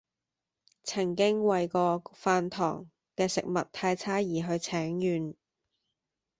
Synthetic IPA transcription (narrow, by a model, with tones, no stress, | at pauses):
t͡sʰɐ˨˩ŋkɪ˥ŋwɐ˨jkɔː˧faː˧nt̪ʰɔ̰ː˨˩ŋ | kɛː˧sɪ˨k̚mɐ˨t̚t̪ʰːaː˧jt͡sʰaː˥jiː˨˩ɦɵ˧ɥt͡sʰɛː˨˥ŋjyː˨n